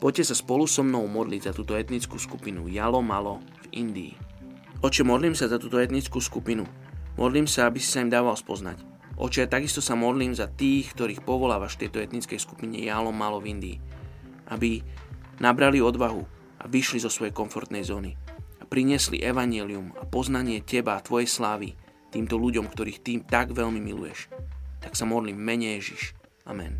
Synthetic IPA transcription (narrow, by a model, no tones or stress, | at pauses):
pɔɟcɛsaspɔlusɔmnɔʊmɔd̪lḭɟzat̪uːt̪ɔɛt̪nit͡skuːskupinṵjalɔmalɔ | v̥ḭnd̪ḭː | ɔt͡ʃɛmɔd̪liːmsazat̪uːt̪ɔɛt̪nit͡skuːskupinu | mʔɔd̪liːmsaabisi̥saimd̪aːʋalspɔzna̰c | ʔɔ̰t͡ʃɔat̪aɡist̪ɔsamɔd̪liːmzat̪iːxkt̪ɔɾiːxpɔʋɔlaːʋaʃft̪ɛjt̪ɔɛt̪nit͡skɛjsku̥piɲɛ̰jalɔmalɔvind̪ḭː | ʔabinabɾaliɔd̪ʋaɦṵ | ʔa̰ʋiʃlizɔsʋɔjɛjkɔɱfɔɾt̪nɛjzɔːniapɾiɲɪɛslḭʔɛʋaɲɪɛliuma̰pɔznaɲɪɛcɛbaːt̪ʋɔjɛjslaːʋḭ | t̪iːmt̪ɔluɟɔmkt̪ɔɾiːxt̪iːmt̪aɡʋɛʎmimilṵjɛ̰ʃt̪aksamɔd̪liːmːɛɲɛjɛʒḭʃʔa̰mɛ̰n